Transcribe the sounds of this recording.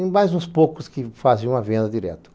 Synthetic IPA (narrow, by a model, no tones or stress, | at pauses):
majzũspokʊskɪfazẽũɐvẽnd̪ɐdiɾɛ̰t̪ɐ̥